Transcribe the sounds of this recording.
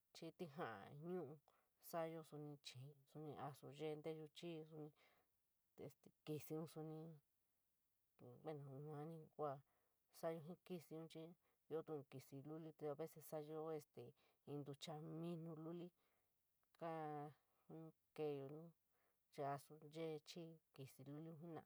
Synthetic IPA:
t͡ʃi˧t̪i˧ɦã˨ʔa̰˨ɲũː˦ʔũ˧ | sa˦jo˧su˧nĩ˧t͡ʃĩ˨su˧nĩ˧ʔa˧su˧ʒe˦˧nd̪e˦˧ʒu˧t͡ʃi˦su˧nĩ˧ | ḛ˧st̪e˨ki˧si˧ũ˦su˧nĩ˧˨ | βe˦˨nã˨˧ã˧˦nĩ˧kʷa˧ | sa˦jo˧ɦĩ˦ki˧si˧ũ˦˧t͡ʃi˦ | jo˦t̪ũ˧ki˨si˧lu˦li˦t̪e˧a˧βe˦se˧sa˦jo˧˦e˧st̪e˨ | ĩ˧nd̪u˧t͡ʃa˧mĩ˦nũ˧lu˦li˦ | kã˦ | hu˧nĩ˧ | ke˧jo˧nũ˦ | t͡ʃe˧a˧su˧ʒe˦˧t͡ʃi˦ki˨si˧lu˦li˦ũ˧ɦĩ˦nã̰˧˨˧

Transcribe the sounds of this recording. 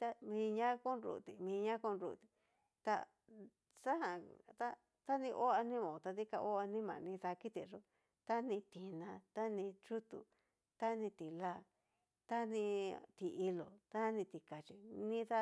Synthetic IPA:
t̪a˧mĩː˧ɲã˦ku˦nɾṵ˧˨t̪i˨mĩː˧ɲã˦ku˦˧nɾṵ˧˨t̪i̥˨ | t̪a̰˧ | sa˦ɦã˧t̪a˦ | t̪a˦nĩ˧ʔo˦a˧nĩ˦mã˨˧t̪a˧ði˦ka˧ʔo˦a˧nĩ˦mã̰˨˧nĩ˧ða˧ki˦t̪i˨ʐo˦ | t̪a˦nĩ˧t̪i˧nã˧t̪a˦nĩ˧t͡ʃu˦t̪ṵ˨ | t̪a˦nĩ˧t̪i˨la˦ | t̪a˦nĩ˧t̪i˨˧i˧lo˨t̪a˦˧nĩ˧t̪i˧ka˨t͡ʃi˧nĩ˦ða˦

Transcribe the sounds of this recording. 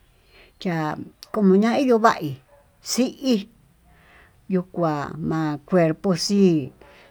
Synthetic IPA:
t͡ʃa˧ko˧mõ˧ɲã˦i˦jo˧βa̰˦ʔi˨ | si˦ʔi˦ | ju˧kʷa˨mã˧kʷe˧ɾpo˧si˦

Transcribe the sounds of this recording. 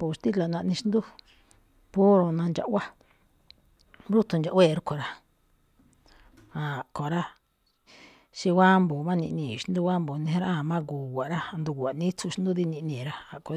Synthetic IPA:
pu˨ʃt̪i˦la˨nã˧nĩ˧ʃi˦nd̪u˦ | pu˦ɾo˧nã˧nd͡ʒa̰˧ʔwa˦ | bɾu˦t̪u˧nd͡ʒa˨˧ʔwe˦˨ɾu˦kʰo˨ɾa˧ | a˨ko˨ɾa˦ | ʃi˧wa˦mbu˨mã˦˧nĩ˧nĩ˧˨ʃi˧˦nd̪u˦wa˦mbu˨nĩ˧˦ɾa˦a˨mã˦ɡuː˨wʷa˨ɾa˦˧nd̪u˧˨a˨nĩ˦t͡su˧ʃi˦nd̪u˦ði˧nĩ˧ʔnĩː˨ɾa˧a˨ko˨

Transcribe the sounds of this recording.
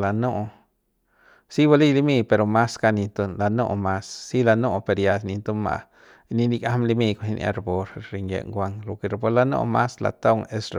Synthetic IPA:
la˨no˦˧ | si˦ba˧li˦li˧mi˦pe˧ɾo˧ma˦ska˧ni˧nt̪o˧la˧no̰˦˧ma˦sːi˦la˧no˦˧pe˨˧ɾja˧sni˧nt̪o˦ma̰˨˧ | ni˧ni˧ka˦mli˧mi˧ko˧ni˧nʔa̰˧ɾbo˧ɾɾi˧ŋjḛ˨ŋɡʷa˧ŋlo˨ke˧ɾbo˧la˧no̰˦ma˦sla̰˨t̪a˦wŋe˦sɾ

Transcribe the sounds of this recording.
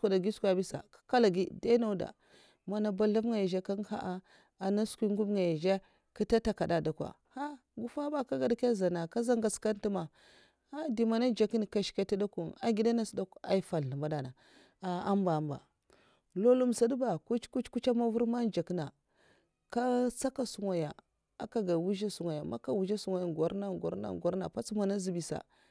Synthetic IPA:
kʷa˨da˨ɡi˦skʷa˨bi˦sa̰˨kḁ˦ka˦la˨ɡi˦da˦na˦da̰˨ | ma˨na˨ba˨ɬa˦vŋa˨ja˨ʒe˦ka˦ŋ˦ha̰˦ʔa˦ | a˨na˦skʷi˦ŋɡu˦bŋa˨ja˨ʒe˦ | ki˦ta˦ta˦ka˨da˨da˨kʷa̰˨ | ha˦ | ɡu˦fa˦ba˦ka˦ɡa˨da˨ke˦za˨na˨ka˦za˦ŋɡa˨ska˦n˦ti˦ma˨ | ha˦di˨ma˨na˦d͡ʒa˨ki˦n˨ka˨ʃi̥˨ka˦ti˦da˦ku˨na˨ɡi˦da˦na˦sda˦ka˦i˦fa˨ɬa˨mba˨da˨na˨ | a˨a˦mba˨mba̰˨ | lo˦lu˦msa˨˦du˦ba˨ku˦t͡ʃku˦t͡ʃku˦t͡ʃa˦ma˦vu˦ɾma˦nd͡ʒa˨kna˨ | ka˦t͡sa˦ka˦˨su˨ŋa˨ja˨ | a˦ka˨ɡa˨wu˦ʒa˦su˨ŋʷa˨ja˨ma̰˦ka˨wu˨d͡ʒa˦su˨ŋa˨ja˨ɡo˨ɾna˦ɡo̰˨ɾna̰˨ɡa˨˦ɾna̰˨pa˦t͡sma˨na˦zi˨bi˨sa̰˨

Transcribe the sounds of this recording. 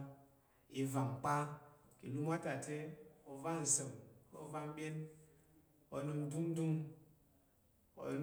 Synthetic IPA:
i˨va˨m˨k͡pa˦ki˨lu˦ma˦ta˨tɛ˦o˨va˦n̩˨sə˨mɔ̰˦va˦m˦ɓe˦n | ɔ̰˨˦nə˨n̩˦du˦n˦du˦ŋ | ɔ̰˨˦

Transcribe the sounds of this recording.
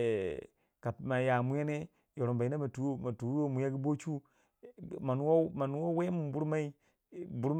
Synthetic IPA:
ka˨ma˨ja˨mu˦ja˦ne˦ | jo˨ɾo˨mba˨i˦na˦ma˨tu˨˦jo˦ma˨tu˨˦jo˦mu˨ja˦ɡi˦bo˦t͡ʃu˦ | ma˨nu˦wo˦ma˨nu˦wo˦we˦mu˨bu˦ɾma˦i˦ | bu˦ɾm

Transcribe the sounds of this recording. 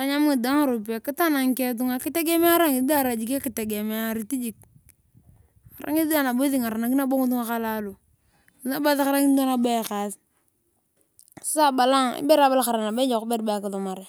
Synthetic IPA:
ta˦ɲa˦mu˦˨da˦ŋa˨ɾo˨p̬i˨a˨ki˦ta˦na˨ŋke˦t̬u˦ŋa˨ki˦te˦ɡe˦me˦a˦ɾa˦ŋi˨i˦da˦˨ɾa˨d͡ʒi˨ka˦ki˨te˨ɡe˨me˦a˦ɾi˨˦ti˦d͡ʒi˨k̚ | a˨ɾa̰˦ŋi˦ðda˦˨na˨bo˦θi˦˨ŋa˨ɾa˨na˨ki˦na˦bo˦ŋu˦t̬u˦ŋa˦ka˦la˦lu˨ | i˨˦na˦ba˦ðxa˦ɾa˦ŋi˦o˦na˨ba˦˨xa˨t | si̥˦sa˦ba˨la˦ŋḭ˦be˦ɾa˨˦ba˦la˦xa˨ɾa˨na˨be˦d͡ʒa˨ku˦be˦ɾba˦˨ka˨tu˨ma˨ɾe˨

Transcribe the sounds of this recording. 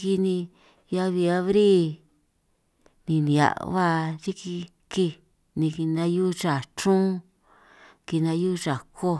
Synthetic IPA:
ki˧nĩ˧ | ja˧βi˧a˧˦βɾi˦ | nĩ˧nĩ˨a̰˨ʔβa˦˧ʐi˦ki˧ | ki˧ | nĩ˧ki˧nã˧ju˦t͡ʃa˨t͡ʃũ˦ | ki˧nã˧˦ju˦ʐa˨ko˦

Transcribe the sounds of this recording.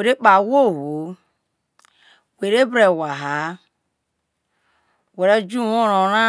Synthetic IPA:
e˨ɾe˦k͡pa˨wo˦˨wo˨ | we˨ɾe˦bɾe˨wa˨ɦa˨ | we˨ɾe˦d͡ʒu˦wo˦ɾo˨ɾa˦

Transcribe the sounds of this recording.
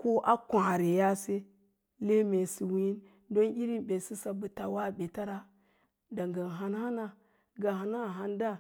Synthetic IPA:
ko˦ʔa˦kʷã˨ɾe˨ja˦se˦ | le˦me˨si˨wi˦n | do˦ni˦ɾi˦nbe˨si˦sa˨bu˨ta˨wa˦˨be˨ta˦ɾa˦ | da˨ŋɡa˨nɦa˨nha˦na˦˨ | ɡa˨ɦa˨na˦˨ɦa˦nda˦

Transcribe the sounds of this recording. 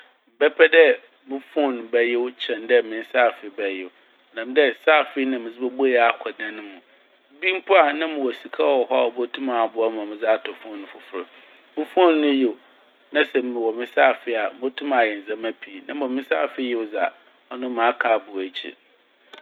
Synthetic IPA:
m̩˨bɛ˦pʰɛ˦dɛ˦ | mɪ̃˦fɔ̃˦˨ñ˨bɛ˦jɪ˦wt͡ɕʰɛ̃˨n˦dɛ˦mɪ̃˨n˦saː˦˨fɪ˦bɛ˦jɪ˨wʊ˨ | nã˨m˦dɛ˦saː˦˨fɪ˦nã˨mɪ̃˨zɪ˦bɛ˦bʊ˦jɛ˨˦a˨kʰɔ˨dã˦nʊ̃˦mũ˨˦ | bi˦m̩˦pʰʊ˦a˨nã˦mɪ̃˨wɔ˨si˨kʰa˦˨wɔ˨ɦɔ˦a̰˨ɔ˨bo˦tʰũ˦mã˨bʊ˦a˦mã˨mɪ̃˨za˦˨tʰɔ˨fɔ̃˦˨nːʊ̃˨fʊ˨fʊ˦ɾʊ˨ | mɪ̃˦fɔ̃˦nː˦ʊ̃˦jɪ˨ | nã˦sɛ˨m˨mɪ̃˨wɔ˨mɪ̃˦sa˦˨fɪ˦a˨m˦o˦tʰũ˦mã˨jɛ˨n̩˨zã˦ma˦pʰi˨nã˦m˦ɔ˨mɪ̃˦sa̰ː˦˨fɪ˦jɪ˦wza˨ | ɔ˦nʊ̃˦mã˨˦kʰaː˨˦˨bʊ˨æ˨t͡ɕʰḭ˨

